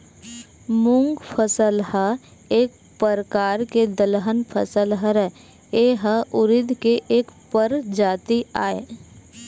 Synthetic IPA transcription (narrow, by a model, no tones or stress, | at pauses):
mʊ̃ŋɡpʰəsəlha | eːk̚ | pəɾəkaːɾked̪əlɦənpʰəsəlɦəɾɛ | eɦəʔʊɾɪd̪ʱkeʔeːkpəɾd͡ʒaːt̪iaːeː